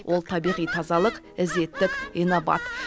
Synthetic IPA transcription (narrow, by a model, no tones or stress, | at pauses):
wʔo̞lˠt̪ʰɑbijʁijt̪ʰɑzɑlˠəq | ɪze̞t̪ːɪkʲijnobɑ̰t̪